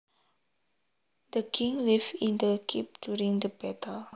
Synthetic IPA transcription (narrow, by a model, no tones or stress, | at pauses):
dəkʰĩŋlivĩndəkʰip̚djuɹĩŋdəbɛtʰəl